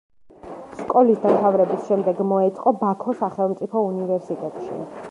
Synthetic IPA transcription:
skʼɔlisd̪amt̪ʰavɾɛbisʃɛmd̪ɛɡmɔɛt̪sʼqʼɔbakʰɔsaχɛlˠmt̪sʼipʰɔunivɛɾsit̪ʼɛt̪ʼʃḭ

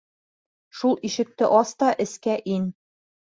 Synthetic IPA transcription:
ʃulˠiʃɘ̆k̚t̪ɘʔɒst̪ɒʔɘ̆skæʔin

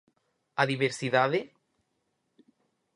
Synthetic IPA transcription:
aðiβeɾsiðaðe

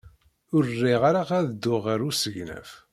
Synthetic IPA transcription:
ʊrrːɪʁaɾaʁaðəd̪ːʊʁəɾusəʝnæ̰f

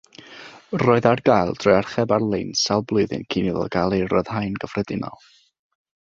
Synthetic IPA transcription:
rɔːɨðarɡajlˠd̥ʰrɔjarχɛbarlˠejnsalˠblˠɨːðɨ̰nkʰiniðɔ̰ɡ̥alˠerɔð̥hajnɡəfrɛdɪnɔ̰lˠ

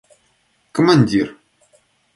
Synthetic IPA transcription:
kʰɔmanʲd̪ʲir

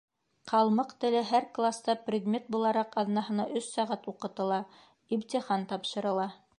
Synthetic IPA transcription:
qɑlˠmɤqt̪ɘ̆lɘɦæɾklˠast̪ɑprʲɪd̪mʲet̪̚bulˠɑɾɑqɑðnɑɦɤ̆nɑʔɵsːɑʁæt̪uqɤ̆t̪ɤ̆lˠɑ | ibt̪ʲiχɑnt̪ɑpʃɤ̆ɾɤ̆lˠɑ

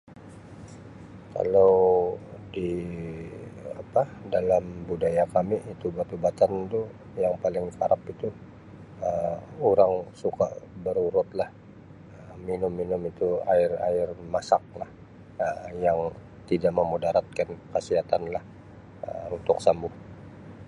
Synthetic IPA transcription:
ka̰law | di | a̰padalambudajakamiʔit̪ubat̪ubat̪ant̪u | jaŋpalɪŋkaɾapit̪u | əuɾaŋsuka̰ʔbəɾuɾʊt̪lah | əminʊmːinʊmit̪uaɪra̰ɪrmasak̚lah | əjaŋ | t̪idaʔməmodaɾat̪̚kankəsiɦat̪anlah | ə̰unt̪ʊksambʊh

